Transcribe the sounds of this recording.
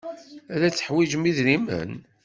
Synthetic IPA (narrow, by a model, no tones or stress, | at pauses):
æðæt͡sːə̥ħwid͡ʒmiðɾimə̰n